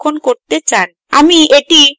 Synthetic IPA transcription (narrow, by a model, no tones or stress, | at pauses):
kʰːonkoɾt̪et͡ɕan | a̰mieʈi